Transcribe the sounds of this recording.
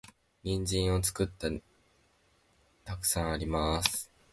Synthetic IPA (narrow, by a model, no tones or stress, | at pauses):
ɲ̟ĩɲ̟d͡ʑĩɰ̃o̞t͡sɨ̥kɯ̟t̪ːa | t̪akɯ̟̥sãɰ̃aɾʲimasɨ̥ɨ̥